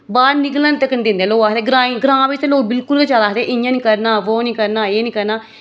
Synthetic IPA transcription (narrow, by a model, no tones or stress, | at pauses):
baːɾnɪkəlãnt̪əkənd̪ɪ̃nd̪ẽːloːaːɦt̪eːɡɾãːĩːɡɾãːʋit̪eloːbɪlkʊlket͡ʃaːlaːɦd̪eːʔɪjãːnĩːkəɾnaːʋoːniːkəɾnaːeːniːkəɾnaː